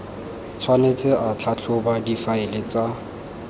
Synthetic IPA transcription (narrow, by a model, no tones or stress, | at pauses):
t͡sʰwanet͡sʼɪʔat͡ɬʰat͡ɬʰʊbadifaɪlɪt͡sa